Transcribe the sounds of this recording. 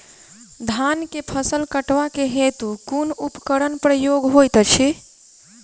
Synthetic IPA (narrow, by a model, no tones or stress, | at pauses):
d̪ʱankepʰəsəlkəʈʋakeɦet̪ukunupkəɾənpɾəjoɡɦojt̪t͡ʃʰi